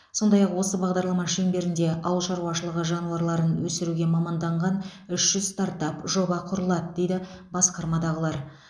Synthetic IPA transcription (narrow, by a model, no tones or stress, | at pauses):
so̞nd̪ɑjɑqwo̞səbɑʁd̪ɑɾlˠɑmɑʃe̞mbe̞ɾɪnd̪e̞ʔɑ̰wəlˠʃɑɾuwɑʃəlˠəʁəʒɑnuwɑɾlˠɑɾənwɵsɪɾuɡʲe̞mɑmɑnd̪ɑɴʁɑnʏʃʒ̥ʏzst̪ɑɾt̪ɑpʒo̞bɑqʰʊɾəlˠɑd̪əd̪e̞jd̪ɪbɑsqɑɾmɑd̪ɑʁəlˠɑɾ